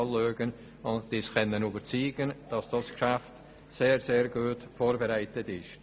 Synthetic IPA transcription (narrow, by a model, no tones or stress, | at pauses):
løːɡən | ʊnd̥iskɛnːənyːbəɾt͡siːɡ̥ənd̥ɑsd̥ɑskʃaft | seːɾzeːɾɡuːtfoːɾbeʁaɪtətɪʃt